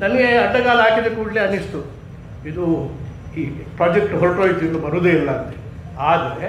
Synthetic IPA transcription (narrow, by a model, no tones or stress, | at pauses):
nɐnɐɡeɐɖːɐɡaːlɐaːkid̪ekuːɽleɐnːist̪u | id̪u | iːpɾaːd͡ʒek̚ʈɦolʈoːjit̪ːind̪ubɐɾud̪uilːɐɐnt̪e̥ | aːd̪ɐɾe